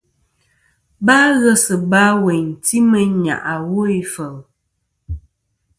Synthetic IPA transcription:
ba˦ɣə˦sə˨ba˦we˨ti˦mə˨ɲa̰˨ʔa˨wo˦i˦fə˨l

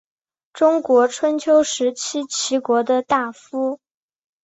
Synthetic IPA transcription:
ʈ͡ʂʊ˥ŋkwɔ˧˥ʈ͡ʂʰwə˥nt͡ɕʰjo˥ʊʂɻ̩˧˥t͡ɕʰi˥t͡ɕʰi˧˥kwɔ˧˥d̪ə˧t̪a˥˩fu˥

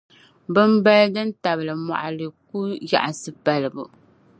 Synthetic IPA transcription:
bɨ˦mba˦ldɨ˦n˦ta˨bɨ˨lɨ˨ma̰˨ʔa˨lɨ˨ku˦ja̰˨ʔa˨sɨ˦ba˨lɨ˨bu˨

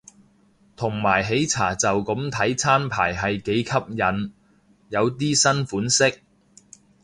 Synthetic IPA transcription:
t̪ʰʊ˨˩ŋmaː˨˩jɦe˨˥jt͡sʰa̰ː˨˩t͡sɐ˨wkɐ˨˥mt̪ʰɐ˨˥jt͡sʰaː˥npʰaː˨˩jɦɐ˨jke˨˥jkʰɐ˥p̚jɐ˨˧n | jɐ˨˧wt̪̬iː˥sɐ˥nfuː˨˥nsɪ˥k̚

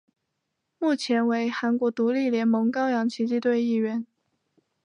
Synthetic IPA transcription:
mu˥˩t͡ɕʰjɛ˧˥nwe˧˥ɪxa˧˥nkwɔ˧˥t̪u˧˥li˥˩ljɛ˧˥nmɤ˧˥ŋkɑ˥ʊjɑ˧˥ŋt͡ɕʰi˧˥t͡ɕi˥˧t̪we˥˧ɪi˥˩ɥɛ˧˥˦n

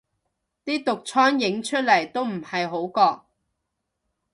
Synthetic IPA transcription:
t̪iː˥t̪ʊ˨k̚t͡ʃʰɔː˥njɪ˨˥ŋt͡ʃʰɵ˥t̚lɐ˨˩jt̪o˥wm̩˨˩hɐ˨jɦo˨˥wkɔː˧k̚

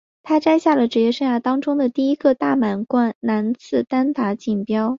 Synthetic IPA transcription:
t̪ʰa˥ʈ͡ʂa˥ɪɕja˥˩lə˩ʈ͡ʂɻ̩˧˥jɛ˥˧ʂɤ˥˧ŋja˥˩t̪ɑ˥ŋʈ͡ʂʊ˥ŋd̪ə˨t̪i˥˩i˥ɡə˧t̪a˥˩ma˨˩nkwa˥nna˧˥nt͡sʰɹ̩˥˩t̪a˥nt̪a˧˥t͡ɕi˨˩npjɑ˥ʊ

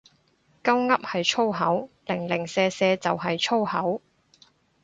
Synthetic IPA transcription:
kɐ˥wŋɐ˥p̚hɐ˨jt͡ʃʰo˥wɦɐ˨˥wlɪ˨˩ŋlɪ˨˩ŋsɛː˧sɛː˧t͡sɐ˨wɦɐ˨jt͡ʃʰo˥whɐ˨˥w

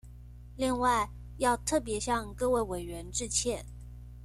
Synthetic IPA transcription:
li˥˧ŋwa˥˧ɪ | jɑ˥˧ʊt̪ʰɤ˥˩p̬jɛ˧˥ɕjɑ˥˧ŋkɤ˥˧we˥˩ɪwe˨˩ɪɥɛ˧˥nʈ͡ʂɻ̩˥˧t͡ɕʰjɛ˥˩n

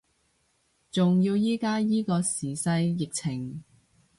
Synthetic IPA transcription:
t͡sʊ˨ŋjiː˧wjiː˥kaː˥jiː˥kɔː˧siː˨˩sɐ˧jːɪ˨k̚t͡sʰɪ˨˩ŋ

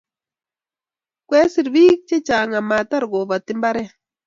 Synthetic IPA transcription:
kʷe˦si˨ɾβi˦kt͡ʃe˦t͡ʃa˨ŋa˨ma˨t̪a˦ɾɡo˨βa˨t̪i˦mba˦ɾe˦

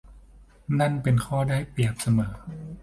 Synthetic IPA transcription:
na˥˩˨npe˧nkʰɔː˥˩daː˥˩jpi˨˩əp̚sa˧mɤː˩˦

